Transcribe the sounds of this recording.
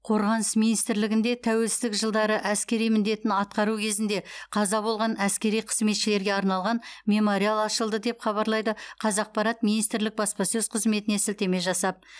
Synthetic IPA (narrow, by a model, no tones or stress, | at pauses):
qʰo̞ɾʁɑnəsminijst̪ɪɾlɪɡʲɪnd̪e̞t̪ʰæwe̞lsɪzd̪ɪkʒəlˠd̪ɑɾəʔæskʲe̞ɾijmɪnd̪e̞t̪ɪnɑt̪̚qɑɾukʲʰe̞zɪnd̪e̞qʰɑzɑbo̞lˠʁɑnæskʲe̞ɾijqʰə̥zme̞t̪ʃɪle̞ɾɡʲe̞ɑɾnɑlˠʁɑnmʲe̞mo̞ɾialˠɑʃəlˠd̪əd̪e̞pχɑβɑɾlˠɑjd̪əqʰɑzɑq̚pɑɾɑt̪minijst̪ɾlɪk̚bɑspɑsɵz̥qʰəzme̞t̪ɪnesɪlt̪e̞me̞ʒɑsɑp̚